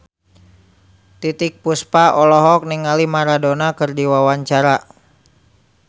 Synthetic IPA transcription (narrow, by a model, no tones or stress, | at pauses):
t̪it̪ɪk̚puspaɔlɔɦɔk̚niŋalimaɾadonakɨrdiwawaɲt͡ʃaɾa